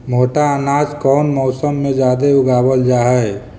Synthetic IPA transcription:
mʱoːʈaənaːd͡ʒkɔːnmɔːsəmːẽd͡ʒaːd̪eʊɡaːbəld͡ʒaːɦɛj

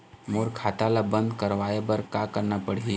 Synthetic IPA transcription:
moːɾkʰaːt̪alabə̃nd̪kɐɾʋaːebɐɾkaːkəɾnapəɽ̤i

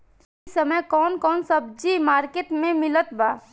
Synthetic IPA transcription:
səməjkɔːnkɔːnsɐb̚d͡ʒimaːɾkeːʈmẽmɪlət̪baː

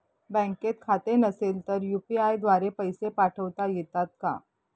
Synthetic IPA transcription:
bɛ̃ŋket̪̚kʰat̪enəselt̪əɾjupiajd̪ʋaɾepəjsepaʈʰəʋt̪ajet̪at̪̚ka̰

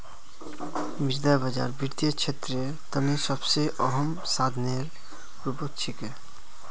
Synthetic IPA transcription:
miɾd̪ajbad͡ʑa̰ɾbiɾt̪ieɾt͡ɕʰet̪ːɾe | t̪əniʃɔbseʔɔɦɔm | sad̪ʱneɾ | ɾupokt͡ɕʰike

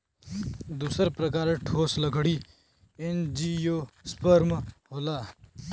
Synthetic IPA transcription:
d̪uːsəɾpɾək̬aːɾeʈʰoːsləɡʱɽi | end͡ʒijoːspəɾmɦoːlaː

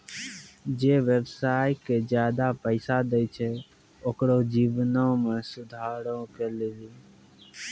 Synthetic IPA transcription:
d͡ʒeːʋəbsaːjked͡ʒjaːd̪apəɪsad̪eit͡ʃʰe | oːkɾoːd͡ʒiːʋnõmẽːsʊd̪ʱaːɾõkəleliː

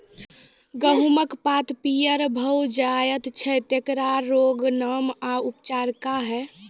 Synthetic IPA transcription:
ɡəɦuməkpat̪pijəɾbʱəwd͡ʒajət̪t͡ʃʰɛt̪jekɾaɾɾːoɡnəmaupt͡ʃaɾkaɦɛ

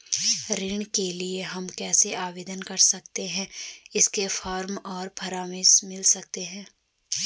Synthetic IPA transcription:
ɾɪɳ̃kelieɦɐmkɛːseaːʋeːd̪ənkɐɾsɐkt̪eɦɛ̃ɪskefʰɔːɾmɔːɾpʰɐɾaːmɪsmɪlsɐk̚t̪eɦɛ̃ː

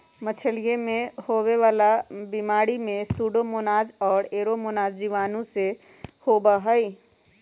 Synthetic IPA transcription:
mət͡ʃʰəlijemẽhoweʋaːlabimaːɽimẽsuɖomonaːd͡ʒɔːɾeːɾomonaːd͡ʒd͡ʒiʋaːnũse | hobaɦəi

